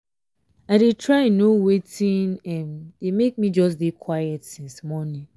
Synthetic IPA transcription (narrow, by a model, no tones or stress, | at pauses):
aɪɾetʰɹaɪĩnːowetʰĩnɛmdemek̚mid͡ʒɔs̬dekʰwajɛtsĩnsmɔnĩn